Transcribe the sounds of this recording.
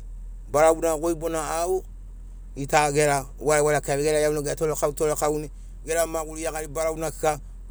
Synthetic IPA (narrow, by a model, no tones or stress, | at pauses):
baɾawunaɡoibonaːu | itaɡeɾa | waewaɾakaβeɡeɾajawnaɡetoɾekautoɾekawni | ɡeɾamaɡuɾiaɡaɾibaɾaunaki̥ka